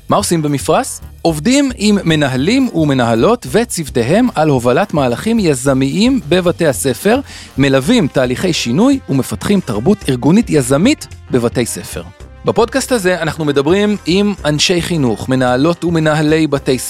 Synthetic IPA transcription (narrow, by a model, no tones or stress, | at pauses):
mao̞simbemifʁaso̞vdimimːe̞naɦalimume̞naɦalo̞tve̞t͡sivte̞ɦe̞malho̞valatmaːlaχimjazamiʔimbe̞vate̞jhase̞fe̞ʁme̞lavimtaːliχe̞jʃinujume̞fatχimtaʁbutiʁɡunitjazamitbe̞vatejse̞fe̞̰ʁ | bapo̞d̚kasthaze̞anaχnume̞dabʁimimanʃe̞jχinuχme̞nahalo̞tume̞naɦale̞jbate̞js